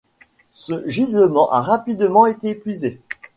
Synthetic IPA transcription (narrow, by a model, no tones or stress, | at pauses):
səʒizləmɑ̃ʔa̰ʁapid̪mɑ̃et̪eːpɥize